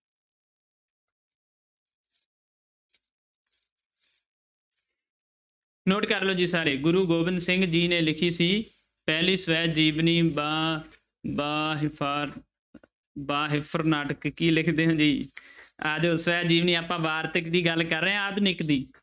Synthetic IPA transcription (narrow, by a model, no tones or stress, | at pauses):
noːʈkəɾloːd͡ʒiːsaːɾeːɡʊɾuːɡoːbɪnd̪sɪ̃ŋɡd͡ʒiːneːlɪkʰiːsiː | pɛːliːsəʋɛːd͡ʒiːʋniːba | bːɦ | baːɦɪpʰəɾnaːʈəkːiːlɪkʰd̪eːɦãːd͡ʒiː | əd͡ʒsəʋɛːd͡ʒiːʋniːaːpãːʋaːɾt̪əkd̪iːɡəlkəɾːeãːəd͡ʒ̪nɪkd̪iː